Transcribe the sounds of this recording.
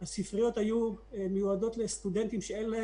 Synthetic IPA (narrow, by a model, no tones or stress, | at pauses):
hasifʁijo̞t̪hajumejuado̞t̪le̞st̪ud̪ent̪imʃeenle